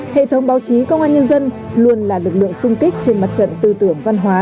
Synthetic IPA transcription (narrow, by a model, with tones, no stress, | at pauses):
hḛ˧˨t̪ʰə˨˦wŋ͡mɓaː˨˦wt͡ɕi˨˦kə˧wŋ͡mʔaː˧nɲə˧nzə˧n | lu˧˩ənlaː˨˩lɨ˨˩k̚lɨ̰˧˨əŋsʊ˧ŋ͡mki˦˥k̟̚t͡ɕe˧nma˨˩t̚t͡ɕə̰˧˨nt̪ɨ˨˩t̪ɨ˧˩əŋva˧nɦwaː˨˦